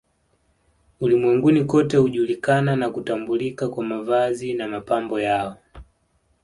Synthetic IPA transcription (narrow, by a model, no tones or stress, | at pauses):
ulimwɛŋɡunikɔtɛhuʄulikananakutambulikakwamavazinamapambɔjaɔ